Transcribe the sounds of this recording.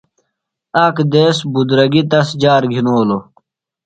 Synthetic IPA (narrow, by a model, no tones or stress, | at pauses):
aːkd̪eːsbud̪ɾɐɡit̪̬ɐsd͡ʑaːɾɡʱinoːlo